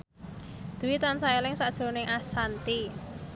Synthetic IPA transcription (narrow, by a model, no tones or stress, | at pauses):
d̪̥uwit̪ansaelɪŋsaʔd̥ʒ̥ɾo̤nɪŋʔasant̪i